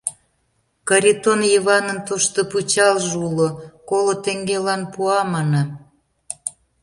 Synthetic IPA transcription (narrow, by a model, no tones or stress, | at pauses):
kɑɾʲit̪onjiβɑnənt̪oʃt̪oput͡ɕɑlʒulokolot̪eŋɡelɑnpuɑmɑnɑ